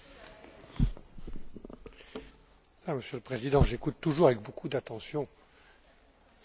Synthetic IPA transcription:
aməsjøləpχezid̪ɑ̃ʒekut̪ːuʒuʁavɛk̚bokʰud̪at̪ɑ̃sjɔ̃

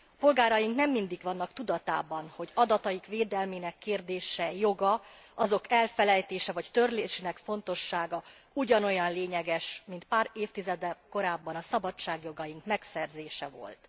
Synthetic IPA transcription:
po̞lɡaːɾɒjiŋknɛmːind̪iɡvɒnːɒkt̪ud̪ɒt̪a̰ːbɒnho̞ɟɒd̪ɒt̪ɒjikveːd̪ɛlmeːnɛkːeːrd̪eːʃɛjo̞ɡɒ | ɒzo̞kʰɛlfɛlɛjt̪eːʃɛvɒct̪ø̞rleːʃenɛkfo̞nt̪o̞ʃːaːɡɒ | uɟɒnojɒnleːɲɛɡɛʃmint̪̚paːɾeːft̪izɛd̪ɛko̞ɾaːbːɒnɒsɒbɒt͡ʃːaːɡjo̞ɡɒjiŋkmɛksɛrzeːʃɛ̰vo̞̰lt̪

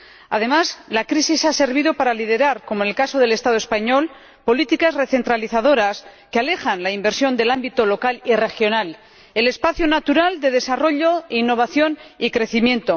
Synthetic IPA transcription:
að̞e̞mazlakɾisisase̞ɾβ̞ið̞opaɾalið̞e̞ɾaɾko̞monelkaso̞ð̞e̞le̞st̪aðospaɲo̞l | po̞lit̪ikasre̞θe̞nt̪ɾaliθað̞o̞ɾaskeale̞χanlaimbe̞ɾsjo̞nd̪e̞lambit̪olo̞kalire̞xjo̞nal | ele̞spaθjonat̪uɾald̪e̞ðe̞saro̞ʎo̞einːo̞β̞aθjo̞nikɾe̞θimjẽ̞nt̪o̞

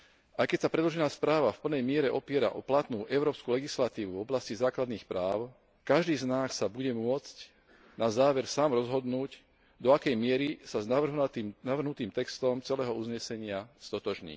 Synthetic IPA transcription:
ajkɛcsapɾɛd̪lɔʒɛnaːspɾaːʋafpl̩nɛjmɪɛɾɛʔɔpɪɛɾa̰ʔɔplat̪nuːʔɛʊɾɔːpskulɛɡislat̪iːʋuvɔblascizaːklad̪niːxpɾaːʊ | kaʒd̪iːznaːssabuɟɛmʊɔt͡sc | nazaːʋɛɾsaːmɾɔzɦɔd̪nuːc | d̪ɔakɛjmɪɛɾisaznaʋr̩ɦt̪inaʋr̩ɦnut̪iːmt̪ɛkst̪ɔmt͡sɛlɛːɦɔuzɲɛsɛɲɪast̪ɔt̪ɔʒɲḭː

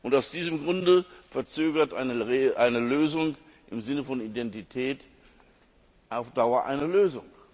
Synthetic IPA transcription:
ʔʊntaʊsd̥iːzəmɡʁʊndəfɛɐt͡søːɡɐtʔaɪnəʔaɪnəløːzʊŋ | ʔɪmzɪnəfɔnidɛntitʰɛːt | ʔaʊfd̥aʊɐʔa̰ɪnɐløːzʊŋ

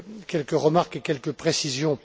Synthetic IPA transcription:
kʲɛlkəʁəmaʁkekʲɛlkəpχesizjɔ̃

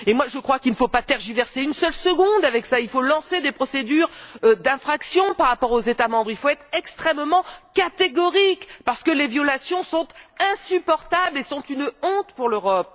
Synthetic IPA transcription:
emwaʒəkχwakilnəfopat̪ɛʁʒivɛʁseynsœlsəɡɔ̃d̪avɛksailfolɑ̃sed̪epχɔsed̪yʁd̪ɛ̃fχaksjɔ̃paʁːapɔʁozet̪amɑ̃bʁilfoɛt̪χɛkst̪χɛmmɑ̃kat̪eɡɔʁikpaʁsə̥kəlevjɔlasjɔ̃sɔ̃t̪ɛ̃sypɔʁt̪ablesɔ̃t̪ynɔ̃t̪puʁløʁɔp̚

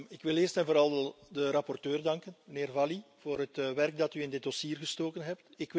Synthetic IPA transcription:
ɪkʋɪleːrstɛnvoːɾɑlˠdəɾɑpɔrtøːrdɑŋkənməneːrvɑliv̥oːrɦətʋɛrɡ̚dɑtyɪndɪd̚dɔsiːrɣəstoːkənɦɛp̚tɪkʋ

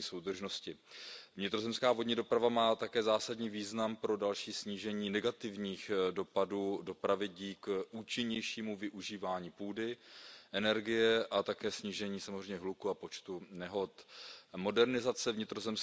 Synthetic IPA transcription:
iso̞wd̪r̩ʒno̞scɪvɲɪt̪ɾo̞zɛmskaːvodɲɪdo̞pɾavamaːt̪akɛːzaːsadɲiːviːznampɾo̞dalʃiːsɲiːʒɛɲiːnɛɡat̪ɪvɲiːxdo̞paduːdo̞pɾavɪɟiːkʔuːt͡ʃɪɲɛjʃiːmuvɪʔuʒiːvaːɲiːpuːdɪʔɛnɛɾɡɪjɛʔat̪akɛːsɲiːʒɛɲiːsamozrɛjmɲɛɦlukuapo̞t͡ʃt̪unɛɦo̞t̪mo̞dɛɾnɪzat͡sɛvɲɪt̪ɾo̞zɛms

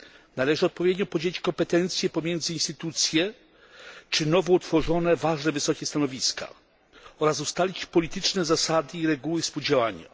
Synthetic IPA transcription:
nalɛʐɘɔt̪̚pɔvʲjed̪ɲɔpɔd͡ʑelʲit͡ɕkɔmpɛt̪ɛnt̪sʲjɛpɔmʲjɛnd̪zɘinst̪ɘt̪ut̪sʲjɛ | t͡ʂɘnɔvɔut̪fɔʐɔnɛvaʐnɛvɘsɔkʲɛst̪anɔvʲiskʰa̰ | ɔɾasust̪alʲit͡ɕpɔlʲit̪ɘt͡ʂnɛzasad̪ɘiɾɛɡuwɘfspuwd͡ʑawaɲa̰

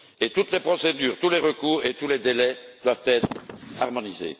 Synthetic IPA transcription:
et̪ut̪lepχɔsed̪yːʁt̪uleʁəkuːʁet̪uled̪elɛd̪̥wavt̪ɛːt̪χaʁmɔnizḛ

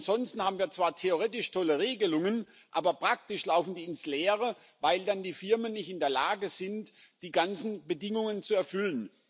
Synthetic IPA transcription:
nz̥ɔnstn̩haːbm̩viːɐt͡sv̥aːɐtʰeoʁeːtɪʃtʰɔləʁeːɡəlʊŋən | ʔaːbɐpʁ̥ak̚tɪʃlaʊfn̩diːɪnsleːʁə | vaɪldandiːfɪɐmənːɪçtɪndeːɐlaːɡəz̥ɪntd̥iːɡant͡sn̩bədɪŋʊŋənt͡suɛɐfʏlən

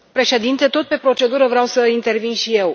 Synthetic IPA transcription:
pɾe̞ʃe̞d̪int̪e̞t̪o̞t̪̚pe̞pɾo̞t͡ʃe̞d̪uɾəvɾeawsəint̪ervinʃije̞w

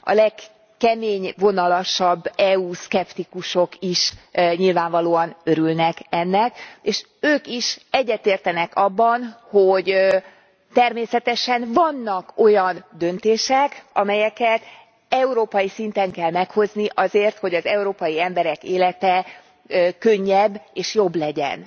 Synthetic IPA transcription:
ɒ̰lɛk | kɛmeːɲvo̞nɒlɒʃɒbːɛuskɛpt̪ikuʃo̞kiʃɲilvaːɱvɒloːɒnøɾylnɛkɛnːɛkeːʃ | øːkiʃɛɟːɛt̪eːrt̪ɛnɛkɒbːɒnhoɟ | t̪ɛrmeːsɛt̪ɛʃɛnvɒnːɒko̞jɒnd̪ø̞nt̪eːʃɛkɒmɛjɛkɛt̪ | ɛuɾoːpɒjisint̪ɛŋkɛlmɛkho̞zniʔɒzeːrt̪ho̞ɟɒzɛuɾoːpɒjiɛmbɛɾɛkeːlɛt̪ɛ | økø̞ɲːɛbːeːʃjo̞bːlɛɟɛ̰n

